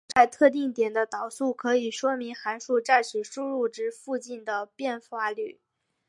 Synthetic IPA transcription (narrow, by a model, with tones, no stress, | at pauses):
t͡sa˥˧ɪt̪ʰɤ˥˧t̪̬i˥˩ŋt̪jɛ˨˩nd̪ə˦t̪ɑ˨˩ʊsu˥˩kʰɤ˧˥i˨˩ʂwɔ˥mi˧˥ŋxa˧˥nʂu˥˧ʈ͡ʂa˥˩ɪʂʰɻ̩˨˥˩ʂu˥ɻu˥˩ʈ͡ʂɻ̩˥fu˥˧t͡ɕi˥˩nd̪ə˩pjɛ˥˩nxwa˥˧ly˥˩